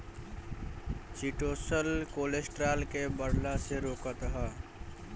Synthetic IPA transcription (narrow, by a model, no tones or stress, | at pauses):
siʈosəlkolesʈɾalkebəɽlaseɾoːkət̪ɦə